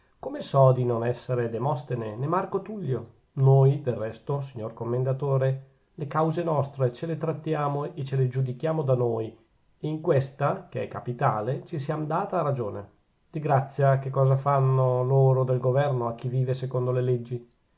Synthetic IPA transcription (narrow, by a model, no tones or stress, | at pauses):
komesɔd̪inonɛsːeɾed̪emɔst̪enenemarkot̪uʎːo | noːjd̪erːɛst̪os̬iɲːorkomːend̪at̪oːɾe | lekawzenɔst̪ɾet͡ʃelet̪ɾat̪ːjaːmoet͡ʃeled͡ʒud̪ikjaːmod̪anoːj | eiŋkwest̪akeɛ̰kːapit̪aːlet͡ʃis̬iamd̪aːt̪aːrad͡ʒoːne | d̪̥iɡɾat̪sːjak̟ekːɔːzafanːoloːɾod̪elɡovɛrnoak̟ːiviːvesekond̪olelɛd͡ʒːi